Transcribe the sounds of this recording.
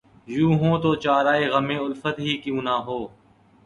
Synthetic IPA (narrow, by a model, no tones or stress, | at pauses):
jũːɦõːt̪oːt͡ʃaːɾaːeːɣəmẽːʊlfət̪ɦiːkijũːnaːɦoː